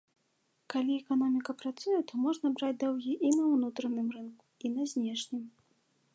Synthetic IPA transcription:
kalʲiɛkanɔmʲikɐpɾat̪sujɛt̪ɔmɔʐnɐbɾad͡zʲd̪ɔwɣʲiʔinɐwnut̪ɾɐnɨmrɨnku̥inɐzʲnʲɛʂnʲɨm

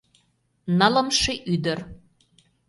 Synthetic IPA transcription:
nɑlə̆mʃeʔyd̪ə̆r

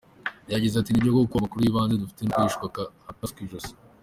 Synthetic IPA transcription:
jaɟizeatinibɟokokkuβamakuɾujiβaːnzedufi̥tenkoiʃkakaapaskiʒos

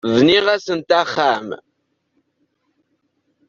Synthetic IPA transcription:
ðniʁæsənt̪æχːæm

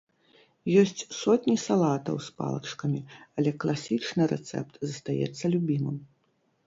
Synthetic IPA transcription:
jɔsʲt͡sʲsɔt̪ʲnʲisalˠat̪ɐ̰wspa̰lˠɐ̰t͡ʂkɐmʲiɐlʲɛklˠasʲit͡ʂnɨɾɛt̪sɛ̰pt̪zɐst̪ajɛ̰t̪sːɐlʲubʲimɨm

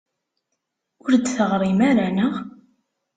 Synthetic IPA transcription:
ʊɾd̪θəʁɾˤimaɾænəʁ

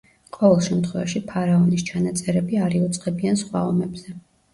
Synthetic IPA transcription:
qʼɔvɛlˠʃɛmt̪ʰχwɛvaʃipʰaɾaɔnist͡ʃʰanat̪sʼɛɾɛbiaɾiut̪sʼqʼɛbiansχwa̰ɔmɛbz̥ɛ

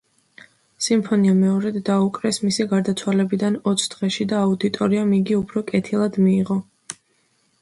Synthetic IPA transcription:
simpʰɔniamɛɔɾɛd̪ːaukʼɾɛsmisiɡaɾd̪at̪sʰwalɛbid̪anɔt̪sʰd̪ʁɛʃid̪aːud̪it̪ʼɔɾiamiɡiupʰɾɔkʼɛt̪ʰilˠad̪miːʁɔ

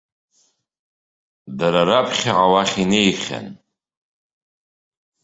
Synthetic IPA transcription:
daɾaɾapʰχʲaʕawaχʲinejχʲa̰n

